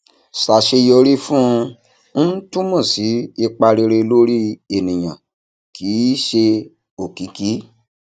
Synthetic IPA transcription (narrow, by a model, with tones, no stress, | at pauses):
sa˨ʃe˧jo˧ɾi˦fũ˦˧ | n̩˦n̩˦tũ˦mũ˦˨si˨˦i˧k͡pa˧ɾe˧ɾe˧lo˦ɾi˦e˨nĩ˨j̃ã˨ | ki˨˦ʃe˧ | o˨ki˨˦ki˨˦